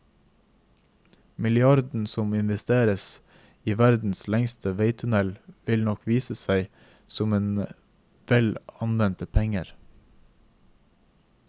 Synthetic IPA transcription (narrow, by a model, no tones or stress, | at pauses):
mɪlɪɑɾd̪n̩sɔmɪnʋɛst̪eːɾəs | iːʋæɾd̪n̩slɛŋst̪ʰəʋeɪt̪ʰʉnɛlʋɪlnɔkʋiːsəsæɪ | sɔmeːn | ʋɛlɑnʋɛnt̪əpʰɛŋə̰ɾ